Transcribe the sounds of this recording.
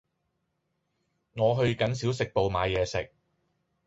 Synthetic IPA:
ŋɔː˨˧ɦɵ˧ɥkɐ˨˥nsi˨˥wsɪ˨k̚po˨˧wmaː˨˧jɛː˨˧sɪ̰˨k̚

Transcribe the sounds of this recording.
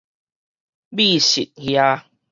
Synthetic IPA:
bi˥˧˨ɕḭ˨t̚hja˦

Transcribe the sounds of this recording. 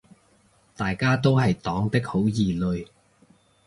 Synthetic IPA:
t̪aː˨jkaː˥t̪o˥wɦɐ˨jt̪ɔː˨˥ŋt̪ɪ˥k̚ho˨˥wjiː˨˩lɵ˧ɥ

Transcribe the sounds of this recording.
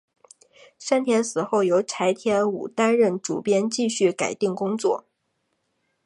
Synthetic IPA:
ʂa˥nt̪ʰjɛ˧˥nsɹ̩˨˩xo˥˩ʊjo˧˥ʊʈ͡ʂʰa˧˥ɪt̪ʰjɛ˥nṵ˨˩t̪a˥nɻə˥˩nʈ͡ʂṵ˨˩pjɛ˥nt͡ɕi˥˧ɕy˥˩ka˨˩ɪt̪i˥˩ŋkʊ˥ŋt͡swɔ˥˩

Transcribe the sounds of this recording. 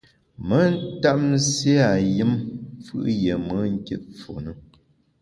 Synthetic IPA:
mə˦n˦ta˦se˦a˨jɨ˦mfɯ̰˦ʔje˨mə˦ŋ̩˦ke˦t̚fo̰˨nə˦

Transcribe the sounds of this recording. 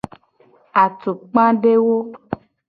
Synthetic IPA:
a˨t̪o˨k͡pã˦ɖe˦wo˦

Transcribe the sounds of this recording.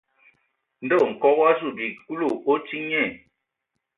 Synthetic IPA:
n̩˨də˦˨ŋ̩˨kɔ˦ɣa˦s̬u˨dwi˨ku˦lo˦˨o˦ti˦ɲɛ˦˨

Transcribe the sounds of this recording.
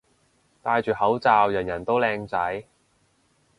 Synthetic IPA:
t̪aː˧jt͡ʃyː˨˩hɐ˨˥wt͡saː˨˧wjɐ˨˩njɐ˨˩nt̪o˥wlɛː˧ŋt͡sɐ˨˥j

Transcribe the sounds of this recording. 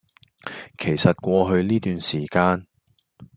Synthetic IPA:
kʰe˨˩jsɐ˨t̚kʷɔː˧ɦɵ˧ɥliː˥t̪yː˨nsiː˨˩kaː˧n

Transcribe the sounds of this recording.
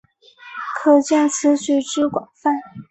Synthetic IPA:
kʰɤ˨˩t͡ɕjɛ˥˩nt͡sʰɹ̩˧˥t͡ɕʰy˧˥ʈ͡ʂɻ̩˥kwɑ˨˩ŋfa˥˩n

